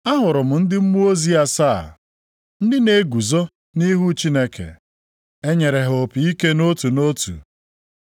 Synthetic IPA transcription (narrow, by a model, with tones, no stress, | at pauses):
a˦ɦʊ˨ɾʊ˨mʊ˨n̩˦dɪ˦m̩˦mu˦o˦zi˦a˦sa˦˨ | n̩˦dɪ˦ne˦ɡu˨zo˦ | ni˦ɦu˦t͡ʃi˦ne˦kḛ˨ | e˦ɲe˨ɾe˨ɦo˨pi˨i˦ke˦no˦tu˨no˦tṵ˨